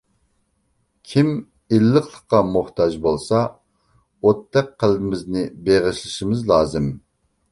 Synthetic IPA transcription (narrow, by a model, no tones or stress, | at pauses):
kʲʰim | ilːəqlˠəqːɑmuht̪ʰɑd͡ʒbolˠsɑ | ot̪ʰːɛk̚qʰːəlˠbɪmɪznɪbeʁɪʃlˠɨʃimɪzlˠɑːzɨm